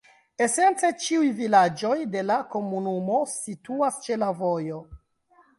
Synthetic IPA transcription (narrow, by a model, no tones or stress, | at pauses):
e̞se̞nt͡se̞t͡ʃiujvilad͡ʒo̞jde̞lako̞munumo̞situast͡ʃe̞lavo̞jo̞